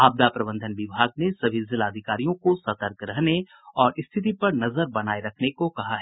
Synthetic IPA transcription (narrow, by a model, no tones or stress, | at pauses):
aːb̚d̪apɾɐbə̃nd̪ʱənʋɪbʱaːɡnesɐbʱɪzɪlaːd̪ʱɪkaːɾijõkosɐt̪əɾkɾɐɦne | ɔːɾʔɪst̪ʰɪt̪̬ipɐɾnɐzəɾbɐnaːeɾɐkʰnekokɐɦaɦɛː